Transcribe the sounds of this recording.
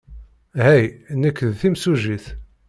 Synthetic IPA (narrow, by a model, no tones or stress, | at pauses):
hæjnːəkːðθimsuʒiθ